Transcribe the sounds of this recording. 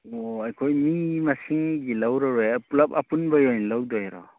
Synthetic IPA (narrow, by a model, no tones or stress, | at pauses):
ɔajkʰojmimasiŋɡilawɾɔɾepulapapunbajɔjnlawdɔjɾɔ̰